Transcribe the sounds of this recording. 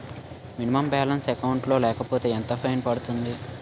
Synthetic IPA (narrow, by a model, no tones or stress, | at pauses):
minimɐmbaːlɐnsɛkɐwɳʈlo̞ːlɛːkɐpoːt̪e̞ːent̪ɐpʰɐjnpɐɽut̪und̪i